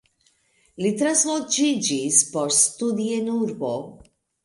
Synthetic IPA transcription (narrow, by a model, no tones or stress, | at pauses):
lit̪ɾaslod͡ʒid͡ʒispɔɾst̪ud̪ienuɾbo